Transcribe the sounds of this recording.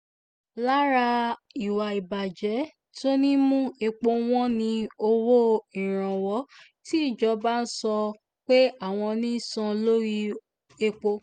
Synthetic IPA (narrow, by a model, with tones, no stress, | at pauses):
la˦ɾa˧i˨wa˨i˨ba˨d͡ʒɛ˨˦ | to˦nĩ˦mũ˦e˧k͡po˧w̃ɔ̃˦nĩ˧o˧wo˦ĩ˨ɾ̃ã˨wɔ˨˦ | ti˦˨d͡ʒɔ˧˦ba˦n̩˦sɔ˧ | k͡pe˦a˦˨w̃ɔ̃˧nĩ˦sɔ̃˧lo˦ɾi˦ | e˧k͡po˧